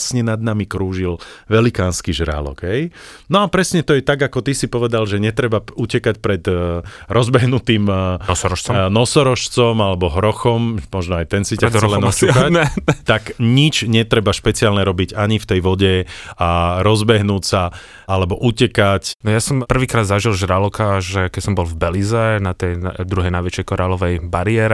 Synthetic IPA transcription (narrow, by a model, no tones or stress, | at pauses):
sɲɛnad̪̚namikɾuːʒilʋɛlikaːnskiʒɾa̰lɔ̰ɡ̥ɦɛj | nɔapɾɛsɲɛt̪ɔjɛt̪aɡakɔt̪isipɔʋɛd̪alʒɛɲɛt̪ɾɛbaucɛkacpɾɛd̪ɾɔzbɛɦnut̪iːmɔsɔɾɔʃɔmnɔsɔɾɔʃt͡sɔmalɛbɔɦɾɔxɔmmɔʒnɔajt̪ɛnsicakt͡sɛlɛnɔskaɛɛt̪akɲit͡ʃɲɛt̪ɾɛbaʃpɛt͡siɪaːlɲɛɾɔbiɟaɲift̪ɛjʋɔɟɛaɾɔzbɛɦnuːcsa | alɛbɔʔucɛkacnɔjasɔmpr̩ʋiːkɾaːd̪zaʒilʒɾalɔkaʒɛkɛcsɔmbɔlvbɛlizɛnat̪ɛjnd̪ɾuɦɛjnajʋɛt͡ʃjɛjkɔɾaːlɔʋɛjbaɾɪɛɾɛ